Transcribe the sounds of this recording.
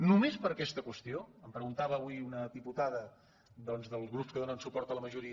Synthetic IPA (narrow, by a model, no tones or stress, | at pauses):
numespəɾəkɛst̪əkwəst̪ioəmpɾəɣunt̪aβəːβuiunəðiput̪aðə | d̪ɔnzðəlˠzɣɾupskəðonənsupɔɾt̪ələməʒuɾi